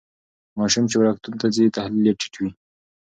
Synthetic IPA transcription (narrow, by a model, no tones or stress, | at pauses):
mɑʃumt͡ʃewɾɑkt̪unt̪azit̪ahliljeʈi̥ʈwi